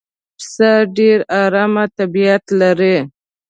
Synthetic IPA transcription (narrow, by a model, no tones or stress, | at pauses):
psaɖeɾɑɾɑmat̪abiat̪laɾe